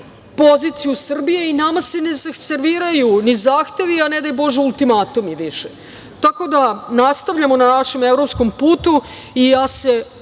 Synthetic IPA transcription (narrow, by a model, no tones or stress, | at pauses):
po̞zit̪sijusr̩bije̞inamasenezaseɾʋiːɾajunizaːxt̪e̞ʋianed̪ajbo̞ʒeulˠt̪imat̪umiʋiʃe | t̪ako̞d̪anast̪aʋʎamo̞nanaʃe̞mevɾopsko̞mpuːt̪u | iase